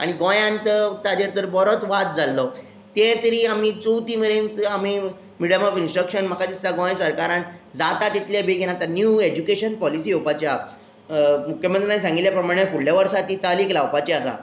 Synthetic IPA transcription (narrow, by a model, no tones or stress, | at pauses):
a̰ɽ̃iɡɔ̃jãnt̪ət̪ad̪eɾt̪əɾbɔɾot̪ʋat̪̚d͡zʱalːɔ | t̪ẽt̪əɾiːam̤it͡sowt̪iːməɭent̪ami | miɽəmɔfinsʈɾəkʂənm̤əkad͡ʑ̪ist̪aɡɔ̃jsəɾkaɾãnd͡zat̪at̪it̪ljabʱeɡʱenat̪anjuːed͡ʑukeɕənpɔlisiːɦopat͡ɕja | mukʰːjəmənt̪ɾnãsãŋɡiljapɾəmaɽ̃efuɭljaʋəɾsat̪iːt̪aliːklaʋpat͡ɕiasa̰